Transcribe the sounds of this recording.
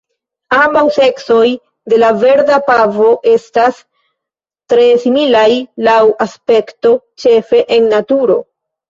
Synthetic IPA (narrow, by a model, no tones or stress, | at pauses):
ambawse̞kso̞j | de̞lave̞ɾdapavo̞ʔe̞stas | tɾe̞similajlawaspe̞kto̞ | t͡ʃe̞fe̞ʔenːatuɾo̞̰